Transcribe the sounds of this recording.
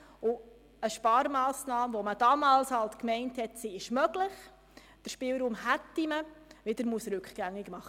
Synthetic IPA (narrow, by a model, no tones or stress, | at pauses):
ʊ | əʃpɑːɾmɑːsnɑːmʋɔməd̥ɑːmɑːlshɑltkmɛɪnthɛtsiɪʃmœɡlɪχ | d̥əɾʃpɪlɾuːmhætːiməʋɪd̪əɾmusɾʉkχɡ̥æŋːɪɡmɑχə